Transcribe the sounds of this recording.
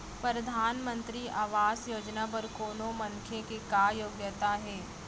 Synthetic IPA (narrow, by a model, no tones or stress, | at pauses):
pɾəɾɐd̪ʱaːnmə̃nt̪ɾiʔaːʋaːsjoːd͡ʒnapɐɾkoːnomɐŋkʰjekekaːjoːɡjət̪aɦɛː